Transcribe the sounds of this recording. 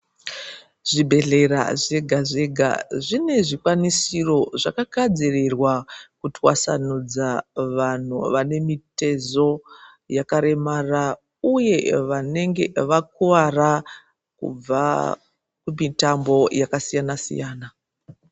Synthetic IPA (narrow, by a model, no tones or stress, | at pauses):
ʐ̥ibʱe̞ɮe̞ɾa̰ʐe̞ɡʱaʐe̞ɡʱa̰ʐine̞ʐikwanisiro̞ʐakakad͡zirirwakutiwa̰sa̰nud͡zaʋan̤uʋane̞mite̞zo̞ | jakaɾe̞mara | uje̞ʋane̞ŋɡe̞̰ʋakuʋara | kṵb͡va̰ | kumitambo̞jakasijanasḭjaːna